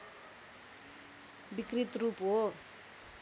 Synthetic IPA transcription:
bikrit̪rupɦo

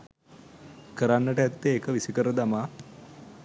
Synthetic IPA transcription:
kəɾanːəʈəæt̪ːeːkəʋisikəɾəd̪amaː

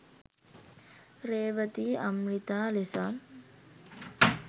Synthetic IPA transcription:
ɾeːʋət̪iːɐmɻit̪aːlesaːn

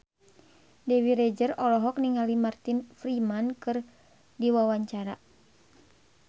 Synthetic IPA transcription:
dɛwiɾɛd͡ʒərɔlɔɦɔk̚niŋalimart̪infɾimankɨr | diwawaɲt͡ʃaɾa

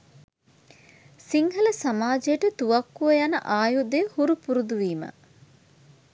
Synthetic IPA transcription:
siŋɦələsamaːd͡ʒejəʈət̪uʋakːuʋəjanə̰ʔaːjud̪ejhuɾupuɾud̪uʋiːmɐ̰

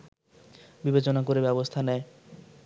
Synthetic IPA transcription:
bibet͡ɕonakoɾebɛbost̪ʰanɛe

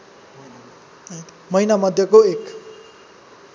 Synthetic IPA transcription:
mʌjnamʌd̪ʱjʌkoek

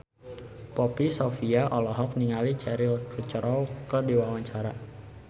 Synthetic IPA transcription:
pɔpisɔfiaʔɔlɔɦɔk̚niŋalit͡ʃɛɾɪlkət͡ʃəɾɔwkədiwawaɲt͡ʃaɾa

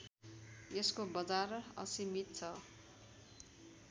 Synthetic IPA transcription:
eskobʌd͡zarʌ̰simit̪̚t͡sʰʌ

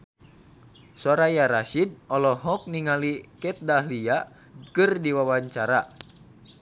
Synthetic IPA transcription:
sɔɾajaɾaʃid̚ɔlɔɦɔk̚niŋalikɛt̪̚dahlia | kɨrdiwawaɲt͡ʃaɾa

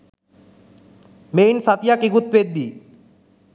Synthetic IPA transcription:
mejnsat̪ijakiɡut̪̚ped̪ːi

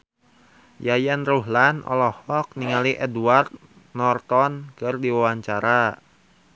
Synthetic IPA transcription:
jajanruɦlanʔɔ̰lɔhɔk̚niŋaliʔɛduart̪̚ | nɔrt̪ɔnkɨrdiwawaɲt͡ʃaɾa

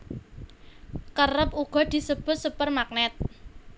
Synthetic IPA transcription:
kərəpuɡ̥ɔ̤d̪̥i̤səb̥ʊt̪̚supərmak̚nɛt̪̚

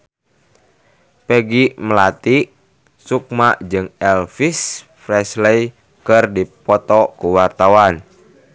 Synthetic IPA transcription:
peɡiməlat̪iʔ | suk̚maʔd͡ʒɨŋɛlfis | frɛslej | kərdipɔt̪ɔkuwart̪awan

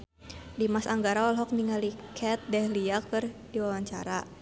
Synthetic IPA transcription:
dimasaŋɡaɾaɔlɦɔk̚niŋalikʰɛt̪̚dɛhliakɨrdiwawaɲt͡ʃa̰ɾa

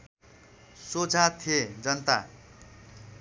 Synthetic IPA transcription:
sod͡zʱat̪ʰied͡zʌnt̪a̰

